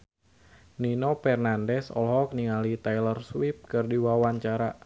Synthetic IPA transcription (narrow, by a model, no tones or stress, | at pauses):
ninopɛrnandɛsɔ̰lɦɔk̚niŋalit̪ajlərswip̚kɨrdiwawaɲt͡ʃaɾa